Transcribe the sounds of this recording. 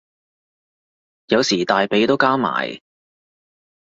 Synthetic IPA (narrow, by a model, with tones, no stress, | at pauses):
jɐ˨˧wsiː˨˩t̪aː˨jpe˨˥jt̪o˥wkaː˥ma̰ː˨˩j